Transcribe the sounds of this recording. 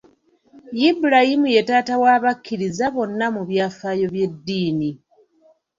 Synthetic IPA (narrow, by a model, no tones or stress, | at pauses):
jibuɾahimuje̞taːtawaːβakːiɾizaβo̞nːamuβjaːfaːjo̞βje̞dːiːni